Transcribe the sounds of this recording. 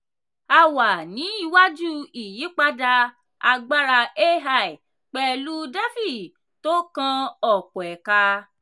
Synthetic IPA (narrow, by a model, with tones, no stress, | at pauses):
a˧wa˨nĩ˨˦i˦˧˨wa˦d͡ʒu˦i˨ji˨˦k͡pa˧da˧ | a˧ɡ͡ba˦ɾa˧e˦ɦa˧˨i˨ | k͡pɛ˦˧lu˦da˦fi˦˨ | to˦kã˧ɔ˨k͡pɔ˨ɛ˨ka˧